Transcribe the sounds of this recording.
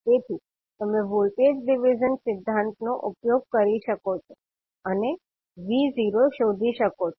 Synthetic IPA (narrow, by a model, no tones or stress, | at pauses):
t̪et̪ʰi | t̪əmẽʋolʈed͡ʒɖɪʋid͡ʒənsɪd̪ʱːãnt̪noʔupjoɡ̚kəɾiʃəkot͡ʃʰo | əne | ʋiːziɾoʃod̪ʱiʃəkot͡ʃʰo